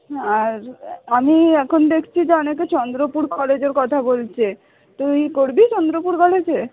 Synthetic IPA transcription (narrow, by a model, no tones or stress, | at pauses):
aɾamiɛkʰond̪ekʰt͡ɕʰid͡ʑeɔneket͡ɕɔnd̪ɾopuɾkɔled͡ʑeɾkɔt̪ʰabolt͡ɕʰe | t̪ojkoɾbit͡ɕɔnd̪ɾopuɾkɔled͡ʑe